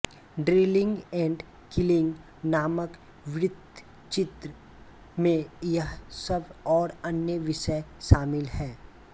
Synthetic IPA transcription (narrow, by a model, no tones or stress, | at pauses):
ɖɾeːlɪ̃ŋɡɛ̃ːɳɖ | kɪlɪ̃ŋɡ | naːmək | ʋɪɾɪd̪ʱ | t͡ʃɪt̪ɾə | mẽjɐɦsəbɔːɾɐnjəʋɪʃəʃaːmɪlɦɛː